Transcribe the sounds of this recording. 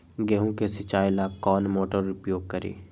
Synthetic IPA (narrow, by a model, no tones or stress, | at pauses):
ɡɛːɦũkesɪt͡ʃaːɪlakɔːnmoːʈəɾʊpjoːɡ̚kɐɾḭː